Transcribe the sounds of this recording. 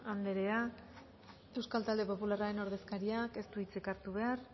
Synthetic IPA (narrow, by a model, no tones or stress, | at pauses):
and̪e̞ɾe̞a | e̞wskalt̪ald̪e̞po̞pularaɾe̞no̞ɾðe̞skaɾiake̞st̪uit͡sekaɾt̪uβe̞ar